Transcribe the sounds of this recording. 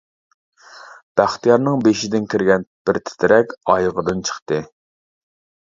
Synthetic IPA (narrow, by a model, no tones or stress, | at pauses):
b̥æχt̪ijɑɾnɨŋbeʃid̪ɪnkʲʰiɾɡʲɛnb̥ɪɾt̪ʰɪ̥t̪ʰɪɾɛkʲɑjʁəd̪ɨnt͡ʃʰə̥χt̪ɨ